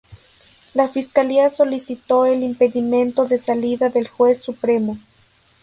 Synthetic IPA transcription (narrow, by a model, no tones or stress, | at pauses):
lafiskaliaso̞lisit̪o̞elimpe̞ðimẽ̞nt̪o̞ðe̞saliðaðe̞lxwe̞sːupɾe̞mo̞